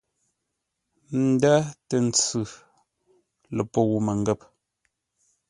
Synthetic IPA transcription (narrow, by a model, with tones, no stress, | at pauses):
n̩˨˦da˦te˨n̩˨t͡sʉ˨ | lə˨pɔ˦ɣu˨me˨ŋ˦ɡɛ˦p̚